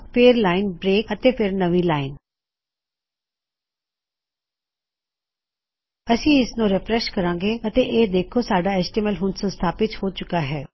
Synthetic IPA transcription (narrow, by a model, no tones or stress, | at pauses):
peːɾlaːɪnbɾeːkət̪eːpʰɪɾnəʋiːlaːɪn | əsĩːɪsnũːɾɪpɾɛʃkəɾãːɡeːət̪eːʔeːd̪eːkʰoːsaːɖaːɛsʈiməlɦʊnsə̃nst̪ʰaːpɪt̪hoːt͡ʃʊkaːɦɛː